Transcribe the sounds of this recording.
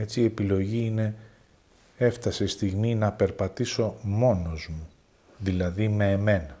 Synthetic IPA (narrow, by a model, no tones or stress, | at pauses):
et͡sie̞pilo̞ʝiine̞ | e̞ft̪ɐse̞st̪iɣminɐpe̞ɾpɐt̪iso̞mo̞no̞zmu | ðilɐðime̞ːme̞nɐ